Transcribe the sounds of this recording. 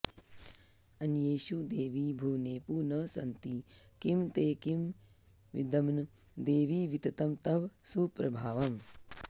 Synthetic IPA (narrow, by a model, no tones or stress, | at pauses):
ɐnjeːʃud̪eːʋiːbʱuːneːpuːnɐːsɐ̰nt̪ikimt̪eːkim | ʋḭd̪ɐmnu | d̪eːʋiːʋit̪ɐt̪ɐmt̪ɐʋsupɾɐbʱaːʋɐm